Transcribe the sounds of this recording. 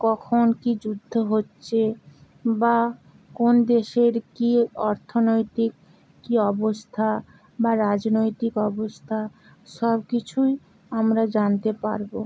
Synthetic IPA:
kɔkʰonkid͡ʑud̪ʱːoɦotːɕʰe | ba | kond̪eʃeɾkiɔɾt̪ʰonojt̪ikː | iɔbost̪ʰa | baɾad͡ʑnojt̪ikɔbost̪ʰa | ʃɔbkit͡ɕʰuj | amɾad͡ʑant̪epa̰ɾbo

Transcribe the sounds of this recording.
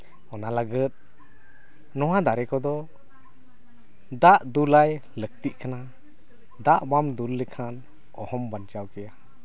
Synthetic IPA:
ɔnaləɡət̪̚ | nɔwad̪aɾɛkɔd̪ɔ | d̪aʔd̪ulaj | lək̚t̪iʔ̚kana | d̪aʔbamd̪ulːɛkʰan | ɔ̰hɔmbant͡ʃawkɛja

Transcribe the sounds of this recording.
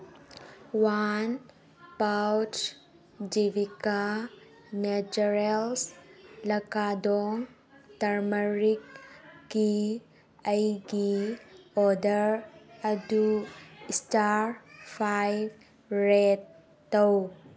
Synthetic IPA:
wan | pawt͡ʃ | d͡ʒivika | ned͡ʒuɾelslɐkadɔŋ | taɾməɾikː | i | əjɡi | ɔdəɾəduistaɾpʰajb | ɾetː | ɔw

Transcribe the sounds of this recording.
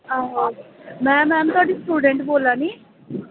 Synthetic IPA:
aːɦamɛːmɛːmt̪oʈisʈuːɖeɳʈboːlːaːni

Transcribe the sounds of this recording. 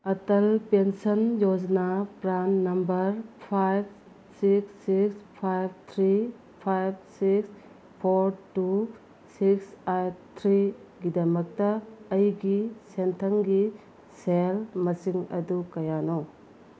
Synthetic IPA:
ɐtɐlpensɐnjod͡ʒnapɾanːɐmbɐɾpʰajb̚ | siksːikspʰajb̚t̪ʰɾi | pʰajb̚siks | pʰoɾtu | siksajt̪ʰɾiɡidɐmɐk̚tɐːjɡisentʰɐŋɡi | selmɐsiŋɐ̰dukɐjano

